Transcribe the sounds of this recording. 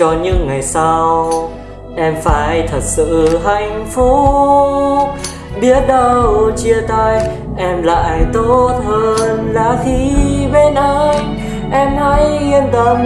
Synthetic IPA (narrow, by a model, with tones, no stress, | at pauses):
ɔ˧ɲɨ̰˧˥ŋːa˨˩jsa˧w | ʔɛ˧mfaː˨˩˦jt̪ʰə˨˩t̚sɨ̰˧˨ɦa˨˩jŋ̟fu˧˥ | ɓi˦˥ət̚ɗə˧wt͡ɕi˧ət̪a˧j | ʔɛ˧mla̰ː˧˨jt̪o˦˥t̚həː˧nlaː˨˩xi˧ve˧˩na˧˦ | ʔɛ˧mha˧˦ji˧ənt̪ə˨˩˦